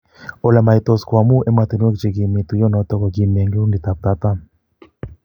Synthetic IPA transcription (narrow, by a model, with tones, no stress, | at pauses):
o˨lɛ˨ma˨i˨t̪o˨skwa˨mu˦ʔɛ˦ma˨t̪i˨n˦e˦kt͡ʃe˨ɡi˨mi˨t̪u˨jɔ˦nɔ˨˦t̪ɔ˦kɔ˨ɡi˨me˨ŋɡe˦u˦ndi˨t̪a˨p̚t̪a˦t̪a˦